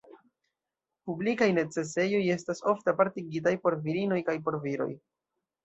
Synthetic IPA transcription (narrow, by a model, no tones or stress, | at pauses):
publikajne̞t͡se̞s̬e̞jo̞je̞staso̞fteapaɾtiɡitajpo̞ɾviɾino̞jkajpo̞ɾviɾo̞̰j